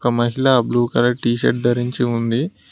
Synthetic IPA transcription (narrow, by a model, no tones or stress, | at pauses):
kɐmɐɦilabluːkɐɾɐʈiːʃɐɾʈ̚d̪ɐɾiɲt͡ʃiund̪i